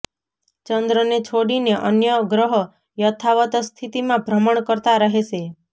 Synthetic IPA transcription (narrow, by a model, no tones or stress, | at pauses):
t͡ʃənd̪ɾənet͡ʃʰoɽineʔənjəɡɾəɦɔ | jət̪ʰaʋət̪st̪ʰit̪imãbʱɾəməɳkəɾt̪aɾəɦeʃe